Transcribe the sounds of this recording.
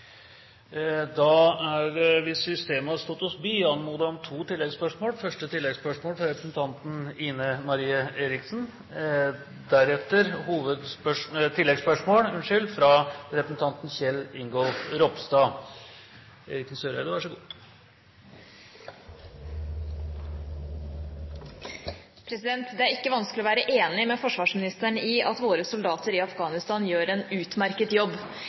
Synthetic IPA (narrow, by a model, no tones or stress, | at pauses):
d̪ɑæɾʋɪsʏst̪eːməhɑst̪ɔt̪ːɔsbyːɑnmuːd̪ɑɔmt̪ʰuːt̪ʰɪlːɛɡspœʂmoːlfœʂʈət̪ʰɪlːɛɡspœʂmoːlfɾɑɾɛpɾəsn̩t̪ʰɑnt̪n̩iːnəmɑɾiːəeːɾɪksn̩ | d̪æɾɛt̪əɾhuːʋəd̪spœʂt̪ʰɪlːɛɡspœʂmoːlʉnʂʏlfɾɑɾɛpɾəsn̩t̪ʰɑnt̪nçɛlːɪŋɡɔlfɾɔpst̪ɑ | ɛɾɪknsøːɾæ̰d̪ɛʋɑʂɔɡu | pʰɾɛsɪd̪ɛnt̪d̪ɛæɾɪkːəʋɑnsklɪɔʋæːɾəʔeːnɪmɛfɔʂʋɑːʂmɪnɪst̪əɳiɑt̪ʋoːɾəsʊld̪ɑːt̪əɾɪɑfɡɑːnɪst̪ɑːnjøːɾɛnʉːt̪mæɾkət̪jɔbː